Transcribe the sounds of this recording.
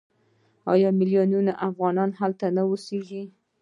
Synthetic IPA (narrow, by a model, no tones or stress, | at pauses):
ɑ̰jɑmɪlijonunaʔafɣɑnɑnhalt̪anawəseʒi